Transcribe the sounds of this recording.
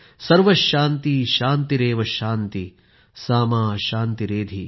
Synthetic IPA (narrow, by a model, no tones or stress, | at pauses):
sɐɾʋɐʃaːnt̪iʃaːnt̪iɾeːʋɐʃaːnt̪i | saːmaːʃaːnt̪iɾeːd̪ʱi